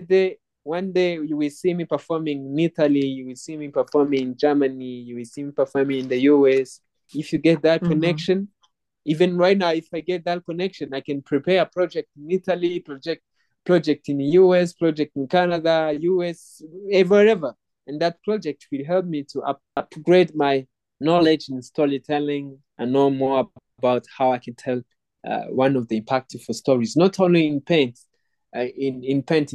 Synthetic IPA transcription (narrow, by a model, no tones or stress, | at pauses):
de | wʌ̃ndeɪjɨwɪlsimipə˞fɔɹmɪ̃ŋɪ̃nitʰəlˠijuwɪlsimipə˞fɔɹmɪ̃ŋɪ̃nd͡ʒɜ˞mɨnijɨwɪlˠsimipə˞fɔɹmɪ̃ŋɨ̃nðɨjuɛs | ɪfjɨɡɛt̪̚ðɨt̚kʰɔnɛkʃɨ̃n | ivɨ̃nɹaɪt̚ⁿnaʊɪfaɪɡɛt̪̚ðɨt̚kɔnɛkʃɨ̃naɪkɨ̃npʰɹ̥ipʰɛɹəpʰɹ̥ɔd͡ʒɛk̚tɪ̃nitəlipɹd͡ʒɛk̚t | pʰɹ̥ɔd͡ʒɛk̚tɨ̃nðɨjuɛspʰɹ̥ɔd͡ʒɛk̚tɪ̃nkanədajuɛs | ɛvəɾɛvə˞ | ɨ̃nðɨt̚pʰɹ̥ɔd͡ʒɛk̚t̚ʰwɨlɦɛlˠp̚mitʰua | apɡɹed̚maɪ | nɔlɪd͡ʒɨ̃nstʰɔɹitʰɛlɪ̃ŋ | ʔãnːoʊmɔɹə | baʊthaʊaɪkʰɨ̃ntʰɛl̰ˠ | wʌ̃nɔvðəɪ̃mpʰæk̚tɪ̥fəstɔɹiznɔtʰõnliɪ̃npʰɛ̃nt | ɪ̃nɪ̃npʰɛ̃nt